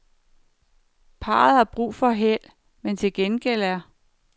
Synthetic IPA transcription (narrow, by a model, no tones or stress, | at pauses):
pʰɑ̈ːð̞̩ˠhɑ̈b̥ʁṵːfɒ̽ɦel̰ | ment͡sʰe̝lɡ̥enɡ̥el̰æɐ